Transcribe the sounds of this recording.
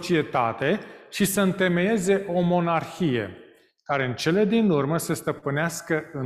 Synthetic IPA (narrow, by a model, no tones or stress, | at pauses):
t͡ʃie̞t̪a̰t̪e̞ʃisəɨnt̪e̞meje̞ze̞ʔo̞mo̞narxije̞̰ | kaɾe̞ɨnt͡ʃe̞le̞d̪inurməsest̪əpɨneaskəɨ